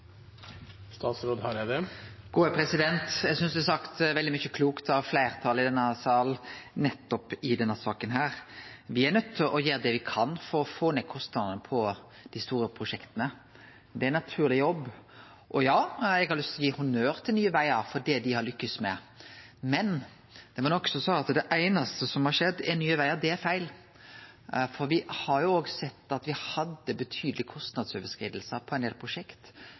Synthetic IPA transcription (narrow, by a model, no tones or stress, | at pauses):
st̪ɑːt̪sɾoːd̪hɑɾjæd̪ɛɡ̥uːæpʰɾɛsɪd̪ɛnt̪jɛɡsʏnsd̪ʉɛsɑkt̪ʋɛld̪ɪmʏçəkʰluːkt̪ʰɑʋflæɪɾt̪ʰɑlɪd̪ɛnːəsɑːlnɛt̪ːɔpɪd̪ɛnːəsɑːkənɦæːɾʋɪæɾnœt̪ʰːɪʔɔjeːɾd̪ɛʋɪkʰɑnfɔɾɔfoːneːkʰɔst̪nɑd̪nəpʰɔ | d̪̥ɪst̪uːɾəpʰɾʊʂɛkt̪ənə | d̪ɛæɪnɑt̪ʰʉːɾlɪjɔbː | ʔɔjɑːɛɡhɑɾlʏst̪ʰlɔjiːhʊnøːɾt̪ʰɪlnyːəʋæɪəɾfɔdɛd̪ɪhɑɾlʏkːəsmɛ̰ | mɛn | d̪̥ɛmɑnɔksɔsɔɑt̪d̪ɛʔæɪnɑst̪əsɔmhɑʂɛd̪ːɛnyːəʋæɪəɾd̪ɛæɾfæɪl | fɔɾʋɪhɑɾjʊoːɡsɛt̪ːɑt̪ʋɪhɑd̪ːəbət̪ʰyːd̪əlɪkʰɔst̪nɑd̪søːʋəskɾiːd̪əl̩səpʰɔæɪneːlpʰɾʊʂɛkt̪